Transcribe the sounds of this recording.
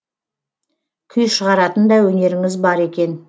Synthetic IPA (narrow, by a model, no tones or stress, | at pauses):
kʲʰʏjʃəʁɑɾɑt̪ənd̪ɑwɵne̞ɾɪŋɪzbɑɾe̞kʲe̞n